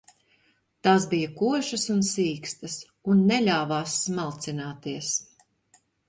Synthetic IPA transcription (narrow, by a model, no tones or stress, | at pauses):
t̪aːsbijakuɔʃɐsunsiːkst̪ɐs | unːɛlʲaːvaːsːmalˠt̪sinaːt̪iɛs